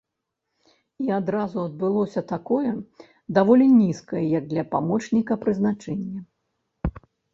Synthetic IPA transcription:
iad̪ɾazuɐd̪̚bɨlˠɔsʲɐt̪akɔjɛ | d̪avɔlʲinʲiskɐjɐjɐɡ̚d̪lʲɐpamɔt͡ʂnʲikɐpɾɨznat͡ʂɛnʲːɐ

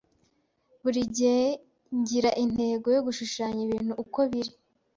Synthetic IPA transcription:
βuɾiɟee | ɲɟiɾaʔin̥he̞ːɡo̞jo̞ɡuʃuʃaːɲiβiːn̥huʔːko̞βiɾi

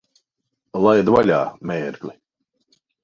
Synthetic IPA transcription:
lˠajd̪valʲaːmɛːɾklʲi

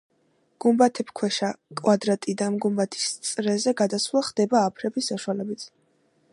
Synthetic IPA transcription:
ɡ̥umbat̪ʰɛpʰkʰwɛʃakʼwad̪ɾat̪ʼid̪anmɡumbat̪ʰi̥st̪sʼɾɛzɛɡad̪aswlˠaχd̪̥ɛbaːpʰɾɛbisːaʃwalɛbit̪sʰ

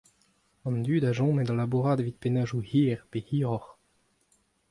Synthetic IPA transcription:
ɑ̃nd̪yːd̪aʒɔ̃med̪ɑlabuʁaːd̪vit̪̚penaːʒuhiːʁpehiːʁɔʁ

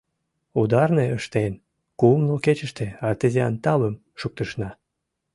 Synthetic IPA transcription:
ud̪ɑrneəʃt̪en | kumloket͡ɕəʃt̪eɑt̪ezeɑ̰nt̪ɑβəm | ʃuk̚t̪əʃnɑ

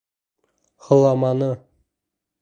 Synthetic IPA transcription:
χɤ̆lˠɑmɑnɤ

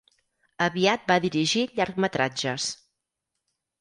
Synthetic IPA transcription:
əβiat̪̚baðiɾiʒiʎaɾkmət̪ɾad͡ʒəs

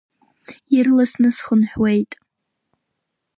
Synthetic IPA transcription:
irlasnɨsχənħwejtʼ

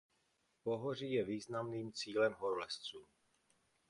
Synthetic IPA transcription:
poɦor̝iːjɛviːznamniːmt͡siːlɛmɦoɾlɛst͡suː

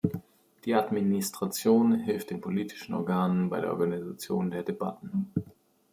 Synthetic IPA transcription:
d̥iːʔadministʁ̥at͡sjoːnhɪlft̚d̥eːnpʰoliːtʰɪ̥ʃn̩ʔɔ̰ɐɡaːnənbaɪdeːɐʔɔɐɡanizat͡sjoːndeːɐdeba̰tn̩

